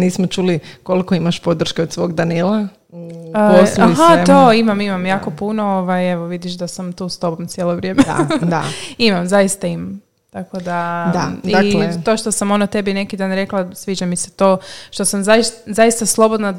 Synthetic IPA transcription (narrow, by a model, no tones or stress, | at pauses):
niːsmot͡ʃuːlikolikoimaʃpod̪r̩ʃkeod̪sʋo̞ːɡd̪anilˠa | osahat̪oimamimamjaːko̞punooʋajeʋoʋid̪iʃd̪asamt̪uːst̪o̞bomt̪sjelˠoʋɾʲjemḛd̪a̰imamzaist̪aimam | t̪akod̪ad̪adialt̪o̞ʃt̪osamo̞not̪e̞bine̞kid̪aːnɾe̞klˠasʋiːd͡ʒamise̞̥t̪oːʃt̪o̞samzaiszaist̪aslˠo̞bod̪na